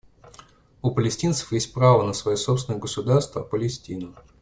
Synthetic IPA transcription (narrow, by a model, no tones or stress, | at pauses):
ʊpəlʲɪsʲtʲint̪sə̥fjesʲt̚ʲpɾavənəsvɐjosopsʲɪnəjəɡəsʊd̪arst̪və̰pəlʲɪsʲtʲinʊ